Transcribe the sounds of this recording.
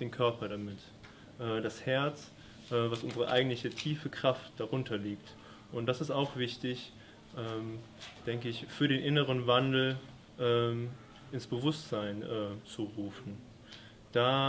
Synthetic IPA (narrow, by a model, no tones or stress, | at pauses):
d̥eːnkʰœɐpɐɾamɪt | ʔɛːdashɛɐt͡s | ʔɛːvasʔʊnzəʁə̰ʔa̰ɪɡŋ̩tlɪçətʰiːfəkʁ̥aft̚d̥aʁʊntʰɐliːkt | ʔʊnt̚d̥asɪstaʊxv̥ɪçtɪç | ʔɛːm | d̥ɛŋkəɪçfyːɐɾeːnʔɪnəʁ̞ənvandl̩ | ʔɛːm | ʔɪnsb̥əvʊstz̥aɪnʔɛːt͡suʁuːfn̩ | d̥aː